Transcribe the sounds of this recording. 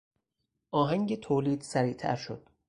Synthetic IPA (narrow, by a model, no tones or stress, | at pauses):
ʔɒːɦæŋɟet̪ʰoːliːd̪̥sæɾiːt̪ʰæ̰ɾʃo̰d̪̥̚